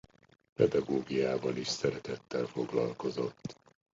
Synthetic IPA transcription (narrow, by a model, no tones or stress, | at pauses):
pɛd̪ɒɡoːɡijaːvɒliʃsɛɾɛt̪ɛt̪ːɛlfo̞ɡlɒlko̞zo̞t̪ː